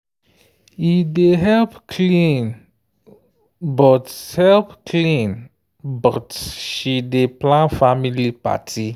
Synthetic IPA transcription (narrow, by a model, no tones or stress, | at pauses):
ideɦɛlpkʰlĩn | bɔthɛlpkʰlĩn | bɔtʃideplãnfamilipa̰tʰi